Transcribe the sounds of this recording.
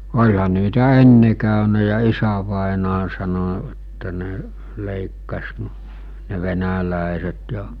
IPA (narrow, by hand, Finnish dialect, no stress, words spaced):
olʲhɑ niːtæ enːe kæˑønæ jɑ isæʋɑˑenɑː sɑno etːæ ne leˑikːɑs n ne ʋenælæˑeset jɑ